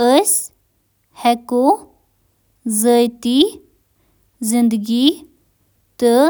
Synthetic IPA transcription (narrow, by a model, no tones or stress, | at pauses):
əs | hɛko | zəjt̪i | zind̪ɡi | t̪ə